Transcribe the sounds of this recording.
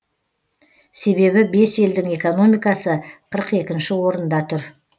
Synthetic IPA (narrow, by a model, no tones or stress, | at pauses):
se̞βe̞βɪbe̞se̞ld̪ɪŋe̞ko̞no̞mijkɑsəqʰəɾəqe̞kʲɪnʃɪwo̞ɾənd̪ɑt̪ʰʏɾ